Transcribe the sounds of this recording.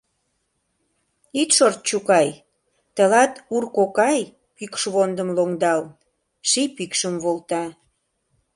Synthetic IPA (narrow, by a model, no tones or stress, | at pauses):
it̪ʃort̪̚t͡ɕukɑj | t̪əlɑt̪urkokɑj | pykʃβond̪ə̆mloŋd̪ɑl | ʃipikʃəmβolt̪ɑ